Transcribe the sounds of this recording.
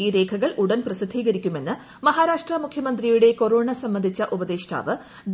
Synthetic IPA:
iːɾe̞ːkʰɐɣɐɭuɽɐnprɐsid̪ʱiːɣɐɾikʲːume̞nːɨ | mɐɦaːɾaːʂʈrɐmukʰjɐmɐnd̪rijuɽe̞ko̞ɾoːɳɐsɐmbɐnd̪ʱit͡ɕːɐʔubɐd̪eːɕta̰ːʋɨ | ɖ

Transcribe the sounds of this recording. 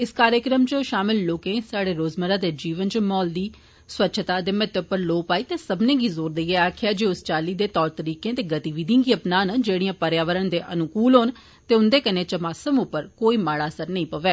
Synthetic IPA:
ɪskaːɾjəkɾəmt͡ʃəʃaːmɪlːoːkẽːsaːɽeːɾoːzməɾãːd̪eːd͡ʒiːʋənt͡ʃmɔːld̪iː | swətːʃʰt̪aːd̪eːmɛt̪əpːəɾloːpaːiːt̪eːsəbnẽːɡiːzoːɾd̪eiːɛːaːkʰɪjaːd͡ʒeːʊst͡ʃaːliːd̪eːt̪ɔːɾt̪əɾiːkẽːt̪eːɡət̪iːʋiːd̪ĩãɡiːəpnaːnd͡ʒeːɽijãːpəɾjaːʋəɾəɳd̪eːʔə̰nʊkuːlɦoːn | t̪eːʊnd̪eːkəneːt͡ʃəmaːsəmʊpːəɾkoːiːmaːɽaːsəɾnəĩːpəʋeː

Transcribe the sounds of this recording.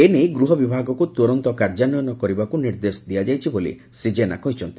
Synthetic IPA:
enejɡɾuɦɔbibʱaɡɔkut̪uɾɔnt̪ɔkaɾd͡ʒanɔjɔnɔkɔɾibakuniɾd̪esd̪ijad͡ʒajt͡ʃʰibolḭ | sɾid͡ʒena̰kɔɦit͡ʃʰɔnt̪i

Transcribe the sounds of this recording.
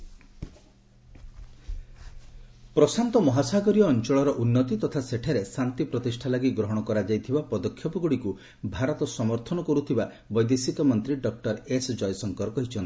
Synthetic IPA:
pɾɔsant̪ɔmɔɦasaɡɔɾijɔːnt͡ʃɔɭɔɾɔʔunːɔt̪it̪ɔt̪ʰaseʈʰaɾesant̪ipɾɔt̪isʈʰalaɡiɡɾɔɦɔɽ̃ɔkɔɾad͡ʒajt̪ʰibapɔd̪ɔkʰːjɔpɔɡuɽiku | bʱaɾɔt̪ɔsɔmɔɾt̪ʰɔnɔkɔɾut̪ʰiba | bɔjd̪esikɔmɔnt̪ɾiɖɔk̚ʈɔɾesd͡ʒɔjɔsɔŋkɔɾɔkɔɦit͡ʃʰɔnt̪i̥

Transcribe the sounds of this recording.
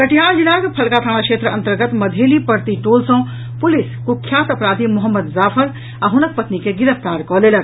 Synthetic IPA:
kɐʈʰijaːd͡ʒilaːɡpʰɐlkaːt̪ʰaːɽ̃akʃeːt̪ɾəɐ̃nt̪əɾɡət̪mɐd̪ʱeːlipɐɾt̪iʈoːlsõ | pʊlɪskukʰːjaːt̪ɐpɾaːd̪ʱimʊɦəmːəd̪zaːfʰəɾ | ɐɦʊnək̚pɐt̪nikeɡɪɾəft̪aːɾkɔleːlɐɡ̚

